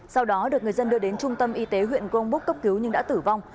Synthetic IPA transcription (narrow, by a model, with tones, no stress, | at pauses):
sa˧wɗɔ˨˦ɗɨ˨˩ək̚ŋ˨˩əzə˧nɗɨ˧əɗe˨˦nt͡ɕʊ˧ŋ͡mt̪ə˧mʔi˧t̪e˨˦ɦwḭ˧˨ənkʔə˧ŋ͡mɓu˦˥kːə˦˥p̚ki˨˦wɲɨ˧ŋɗa̰ː˧˥t̪ɨ˧˩va˧wŋ͡m